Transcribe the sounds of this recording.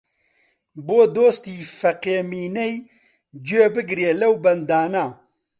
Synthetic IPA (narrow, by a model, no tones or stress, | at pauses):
boːd̪oːst̪iːfɐqeːmiːnej | d͡ʒuebɨɡɾjelɐwbɐnd̪aːnaː